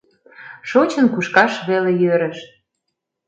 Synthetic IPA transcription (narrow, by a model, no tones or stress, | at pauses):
ʃot͡ɕə̆nkuʃkɑʃβelejøɾə̆ʃ̚